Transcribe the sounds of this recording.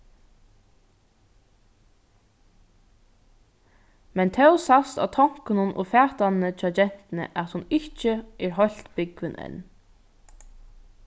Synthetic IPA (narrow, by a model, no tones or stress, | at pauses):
mɛnt̪ʰɛwsast̪a̰wt̪ʰɔwŋ̥kɪnʊnʔʊ̰fæːt̪anːət͡ʃʰɔːd͡ʒɛn̥t̪ɪnə̰ʔat̪hʊnɪht͡ʃəɛɹɦɔl̥t̪bɪkʋɪnʔɛ̰n